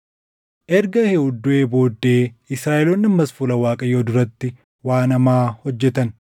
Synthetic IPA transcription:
ʔɛɾɡɐhɛʊd̪ːʊʔeːbo̞ːd̪ːe̞ːɪsɾaːʔɛloːnːɪmːɐsfʊlɐwaːkʼɐjoːd̪ʊɾɐt̪ːɪ | waːnɐmaːhɔd͡ʒːɛt̪ɐn

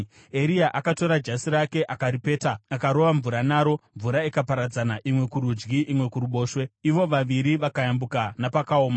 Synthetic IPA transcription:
e̞ɾiaʔakato̞ɾad͡ʒasiɾake̞ʔakaɾipe̞ːtaːkaɾo̞ʋaɱvuɾanaːɾo̞ɱvuɾaikapaɾad͡zanaʔimwe̞kuɾud͡ʒɡiʔimwe̞kuɾuɓo̞ːʃwe̞iʋo̞ʋaʋiɾiʋakajambukanapakao̞ːma

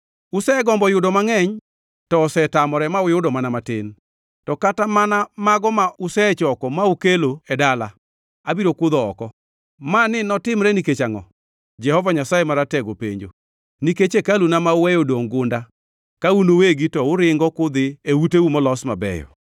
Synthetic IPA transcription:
ʊsɛɡɔmbɔjʊdɔmaŋɛɲ | tɔsɛtamɔɾɛmaʊjʊdɔmanamatɪn | tɔkatamanamaɡɔmaʔʊsɛt͡ʃɔkɔmaʊkeloɛdala̰ | abiɾokʊd̪ɔɔ̰kɔ | manɪnɔtɪmɾɛniket͡ʃaŋɔ̰ | d͡ʒɛhɔvaɲasajemaɾatɛɡopḛɲd͡ʒo̰ | niket͡ʃekalunamaʊwɛjodoŋɡʊnda | kaunoweɡitɔʊɾɪŋɡɔkʊd̪ɪewuteumɔlɔsma̰bɛ̰jɔ̰

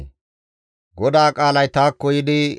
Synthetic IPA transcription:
ɡɔd̪aːkʼaːlɐjt̪aːkːɔjɪd̪ɪ

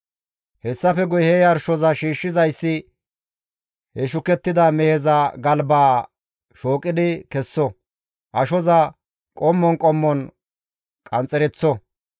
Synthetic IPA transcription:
hɛsːɐfɛɡʊjhɛjɐɾʃɔzɐʃiːʃːɪzɐjsːɪ | hɛʃʊkɛt̪ːɪd̪ɐmɛhɛzɐɡɐlbaː | ʃoːkʼɪd̪ɪkɛsːɔ | ʔɐʃɔzɐ | kʼɔmːɔnkʼɔmːɔn | kʼɐnt͡sʼːɛɾɛt͡sːɔ

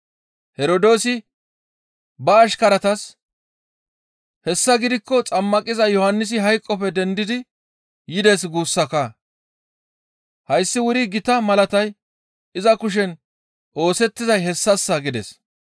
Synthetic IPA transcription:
hɛɾod̪o̞ːsɪ | bɐːʃkɐɾɐt̪ɐs | hɛsːɐɡɪd̪ɪkːɔt͡sʼɐmːɐkʼɪzɐjɔhɐnːɪs̬ɪɦɐjkʼːɔpɛd̪ɛnd̪ɪd̪ɪ | jɪd̪es̬ɡuːsːɐka | hɐjsːɪwʊɾɪɡɪt̪ɐmɐlɐt̪ɐj | ɪzɐkʊʃ̬ɛn | ʔo̞ːsɛt̪ːɪzɐjɦɛsːɐsːɐɡɪd̪ɛs

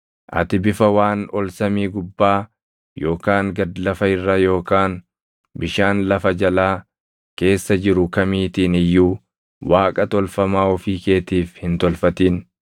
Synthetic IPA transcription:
ʔɐ̰t̪ɪbɪfɐwaːnɔlsɐmiːɡʊbːaː | jo̞ːkaːŋɡɐd̪lɐfɐɪrːɐjo̞ːkaːn | bɪʃaːnlɐfɐd͡ʒɐlaː | ke̞ːsːɐd͡ʒɪɾʊkɐmiːt̪iːnɪjːuː | waːkʼɐt̪ɔlfɐmaːɔfiːke̞ːt̪iːfhɪnt̪ɔlfɐt̪iːn

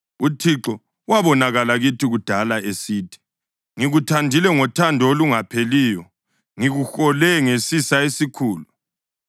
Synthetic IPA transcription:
utʰiǁɔ | waβɔnaɣalaɣitʰiɣud̥ʱalaesiːtʰi̥ | ŋiɣutʰandʱilɛŋɔtʰandʱɔoluŋapʰeliːjɔ | ŋiɣuxɔlɛŋesisaesikʰuːlu

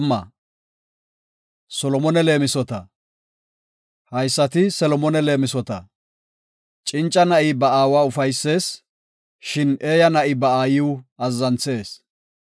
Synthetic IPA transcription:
mːɐ | sɔlɔmɔnɛle̞ːmɪsɔt̪ɐ | hɐjsːɐt̪ɪsɛlɔmɔnɛle̞ːmɪsɔt̪ɐ | t͡ʃʼɪnt͡ʃʼːɐnɐʔɪbɐaːwaːʊfɐjsːe̞ːs | ʃɪne̞ːjɐnɐʔɪbɐaːjɪwɐzːɐnt͡se̞ːs

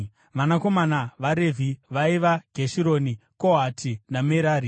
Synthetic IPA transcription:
ʋanako̞manaʋaɾe̞vʱiʋaiʋaɡʱeʃiɾonikoɦatʰinameɾaːɾi

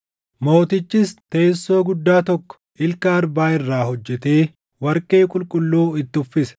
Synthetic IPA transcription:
mo̞ːt̪ɪt͡ʃːɪst̪eːsːo̞ːɡʊd̪ːaːt̪ɔkːɔ̥ | ɪlkɐːɾbaːɪrːaːhɔd͡ʒːɛt̪eː | wɐɾkʼeːkʼʊlkʼʊlːuːɪt̪ːɪʊfːɪsɐ̥

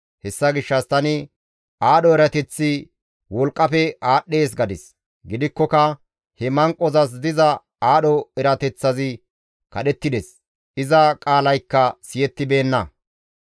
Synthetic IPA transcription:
hɛsːɐɡɪʃːɐst̪ɐnɪ | ʔaːɗɔɛɾɐt̪ɛt͡sːɪ | wɔlkʼːɐpɛaːɗːe̞ːs̬ɡɐd̪ɪs | ɡɪd̪ɪkːɔkɐ | hɛmɐŋkʼːɔzɐs̬d̪ɪzɐ | aːɗɔɛɾɐt̪ɛt͡sːɐzɪ | kɐɗɛt̪ːɪd̪ɛs | ʔɪzɐkʼaːlɐjkːɐsɪjɛt̪ːɪbe̞ːnːɐ

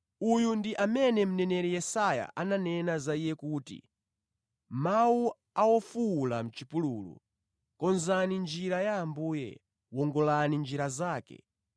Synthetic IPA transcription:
ujundiʔamɛnɛm̩nɛnɛɾɛjɛsaja̰ʔananɛnazaijɛkuːtḭ | mawu | awɔfulam̩t͡ʃipuluːlṵ | kɔnzanind͡ʒiɾajaːmbuːjɛ̰ | wɔŋɡɔlanind͡ʒiɾazaːkɛ̰

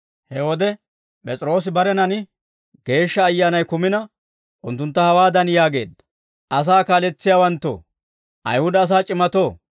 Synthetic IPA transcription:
hɛwɔd̪ɛ | pʼɛt͡sʼɪɾo̞ːs̬ɪbɐɾɛnɐnɪ | ɡe̞ːʃːɐːjːaːnɐjkʊmɪnɐ | ʔʊnt̪ːʊnt̪ːɐhɐwaːd̪ɐnjaːɡe̞̰ːd̪ːɐ̥ | ʔɐs̬aːkaːlɛt͡sːɪjaːwɐnt̪ːo̰ː | ʔɐ̰jhʊd̪ɐːs̬aːt͡ʃʼɪmɐt̪oː

